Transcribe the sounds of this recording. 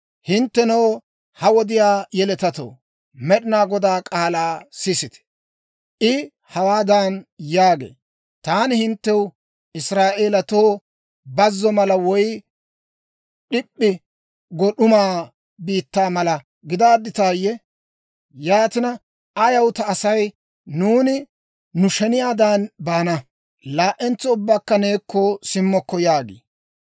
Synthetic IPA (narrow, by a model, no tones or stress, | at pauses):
hɪnt̪ːɛnɐw | hɐwɔd̪ɪjaːjɛlɛt̪ɐt̪o̰ː | mɛɗɪnaːɡɔd̪aːkʼaːlaːsɪsɪt̪ɛ̥ | ʔɪ | hɐwaːd̪aːnjaːɡḛː | t̪aːnɪhɪnt̪ːɛw | ɪsɾaːʔeːlɐt̪oː | bɐzːɔmɐlɐwɔj | ɗɪpʼːɪ | ɡɔɗʊmaː | biːt̪ːaːmɐlɐ | ɡɪd̪aːd̪ːɪt̪aːjːɛ | jaːt̪ɪnɐ | ɐjɐwt̪ɐːsɐj | nuːnɪ | nʊʃɛnɪjaːd̪aːnbaːnɐ | laːʔɛnt͡sːɔʊbːaːkːɐne̞ːkːɔsɪmːɔkːɔjaːɡḭː